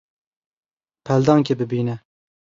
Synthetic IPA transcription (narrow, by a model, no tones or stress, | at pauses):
pʰæld̪ɑŋkʰʲebɪbinɛ